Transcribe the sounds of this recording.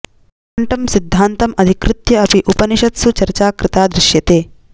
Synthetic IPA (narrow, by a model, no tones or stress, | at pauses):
ɐɳʈɐmsid̪ʱːaːnt̪ɐmɐd̪ʱikɾɪt̪jɐɐpiʔupɐniʃɐt̪sut͡ʃɐɾt͡ʃaːkɾɪt̪aːd̪ɾɪʃjɐt̪eː